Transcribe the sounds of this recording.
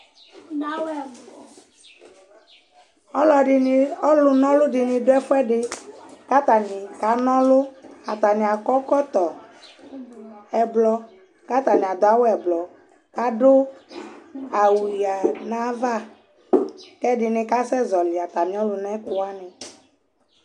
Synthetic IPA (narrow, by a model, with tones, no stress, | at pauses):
ɔ˦lɔ˨ɔ˦lʊ˨nɔ̃˦lʊ˦dɪ˨nɪ̃˨dʊ˦ɛ˦fʊ˦ɛ˦ɖɪ˧ka˦t̪a˨nɪ˨ka˨˦nɔ̃˦lʊ˦a˨t̪a˨nɪ̃˨a˨kɔ˦kɔ˦t̪ɔ˨ | ɛ˨blɔ˨ | ka˦t̪a˨nĩ˨a˨d̪ʊ˨a˨˦wɛ˨blɔ˨ | ka˦dʊ˦ | a˨wi˨a˨nã˦va˦˨ | kɛ˦dɪ˨nɪ̃˧ka˦sɛ˦zɔ˨lɪ˨a˨t̪a˨nĩ˨˦ɔ˦lʊ˨nɛ˦kʊ˦a˦nɪ̃˨